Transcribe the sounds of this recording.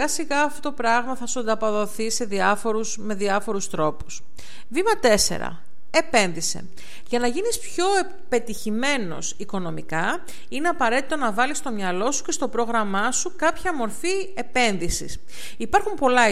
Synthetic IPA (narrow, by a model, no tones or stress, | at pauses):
ɐsiɣɐːft̪o̞t̪o̞pɾɐɣmɐθɐsuɐnd̪ɐpoðo̞θise̞ðiɐfo̞ɾusme̞ðiɐfo̞ɾust̪ɾo̞pu̥s | vimɐt̪e̞se̞̰ɾɐ̰ | e̞pe̞nðise̞̰ | ʝɐnɐʝinispço̞e | pe̞t̪içime̞no̞̰siko̞no̞mikɐ | ineɐpɐɾe̞t̪it̪onɐvɐlist̪o̞mɲɐlo̞su̥ce̞st̪o̞pɾo̞ɣɾɐmɐsukɐpçɐmo̞ɾfi | e̞pe̞nðisḭs | ipɐɾxumpo̞lɐ